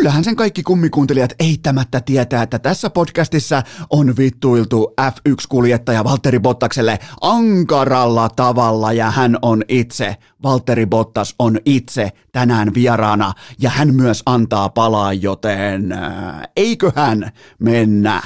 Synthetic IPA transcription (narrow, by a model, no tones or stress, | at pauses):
ylːæhænseŋkɑikːikumːikuːnt̪elijɑt̪eit̪ːæmæt̪ːæt̪iet̪æːet̪ːæt̪æsːæpodkæst̪isːæʔonʋit̪ːuilt̪uʔæfykskuljet̪ːɑjɑʋɑlt̪ːeɾibot̪ːɑkselːeʔɑŋkɑrɑlːɑt̪ɑʋɑlːɑjɑhænonit̪se | ʋɑlt̪ːeɾibot̪ːɑsonit̪set̪ænæːnʋiɛrɑːnɑjɑhænmyæsɑnt̪ɑːpɑlɑːjjot̪en | eikøhæn | menːæ̰